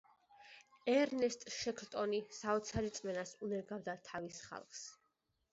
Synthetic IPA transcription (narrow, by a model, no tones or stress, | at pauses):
ɛɾnɛst̪ʼʃɛkʰlt̪ʼɔnisaɔt̪sʰaɾit̪sʼmɛnasunɛɾɡavd̪at̪ʰavisχa̰lˠχs